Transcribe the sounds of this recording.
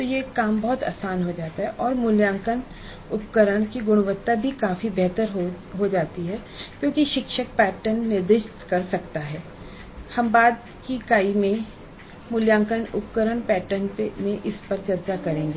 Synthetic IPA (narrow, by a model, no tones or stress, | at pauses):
t̪ojekːaːmbɐɦʊt̪a̰ːsaːnɦod͡ʒaːt̪aɦɛʔɔːɾmʊljãːŋkən | ʊpkəɾəɽ̃kiɡʊɽ̃ʋət̪ːabʱikaːfibɛɦt̪əɾɦo | ɦod͡ʒaːt̪iɦɛːkjõːkiʃɪkʃək̚pɛːʈənːɪɾd̪ɪʃt̪kɐɾsɐkt̪aɦɛː | hɐmbaːd̪ | kikaːimẽ | mʊljãːŋkənʊpkəɾəɽ̃pɛːʈənpemẽʔɪspɐɾt͡ʃɐɾt͡ʃakɐɾẽːŋɡeː